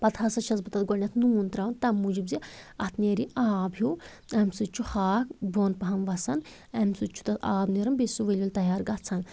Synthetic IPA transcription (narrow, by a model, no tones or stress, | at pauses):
pɐt̪ʰhɐsɐʃʰɐzbɐt̪ɐt̪ɡɔnʲɐt̪ʰnuːnt̪ɾaʋɐnt̪ɐmːud͡ʒibziɐt̪ʰneːɾiʔaːbju | ɛmsut͡ʃʰuxaːkboːnpɐɦɐnʋɐsɐn | ɛmsut͡ʃʰu̥t̪ɐt̪aːbneɾɐmbesuʋelʲulʲt̪ɐɦjaːɾɡɐtt͡sʰɐn